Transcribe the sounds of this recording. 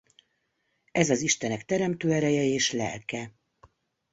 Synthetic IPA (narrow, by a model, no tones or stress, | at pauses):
ɛzɒziʃt̪ɛnɛkt̪ɛɾɛmt̪øːɛɾɛjɛeːʃlɛ̰lkɛ